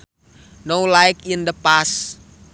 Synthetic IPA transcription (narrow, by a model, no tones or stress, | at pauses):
nowlajkind̪əpas